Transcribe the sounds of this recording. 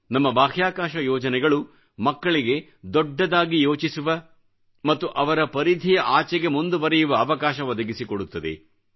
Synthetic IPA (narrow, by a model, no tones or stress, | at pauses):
nɐmːɐbaːɦjaːkaːʃɐjɔːd͡ʒɐnɛɡɐɭu | mɐkːɐɭiɡe̞ | d̪ɔɖːɐd̪aːɡijo̞ːt͡ʃisuʋɐ | mɐt̪ːuʔɐʋɐɾɐpɐɾid̪ʱijɐʔaːt͡ʃɛɡe̞mund̪uʋɐɾɛjuʋɐːʋɐkaːʃɐʋɐd̪ɐɡisikoɽut̪ːɐd̪ḛ